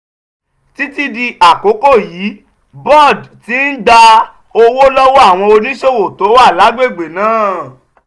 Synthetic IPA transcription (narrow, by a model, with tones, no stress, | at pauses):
ti˦ti˦di˧ʔa˨ko˨˦ko˦˨jiː˨˦ | bɔ˦˨dti˨˦n̩˦da˧ | o˧wo˦lɔ˦wɔ˦a˦˨w̃ɔ̃˧o˧nĩ˦ʃo˦˨wo˨to˨˦a˦˨la˨˦ɡ͡be˦˨ɡ͡be˨nãː˦˨